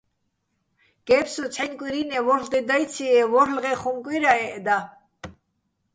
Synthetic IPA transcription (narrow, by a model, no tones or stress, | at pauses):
ɡ̥ɛpsut͡sʰɛnkʼiɾinɛvɔɾld̪ɛd̪ajt͡sʰiɛvɔɾlʁɛχumkʼiɾaɛʔd̪a